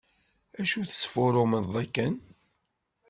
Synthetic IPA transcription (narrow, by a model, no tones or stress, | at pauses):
æʃuθə̥sfʊɾˤoməðˤækːən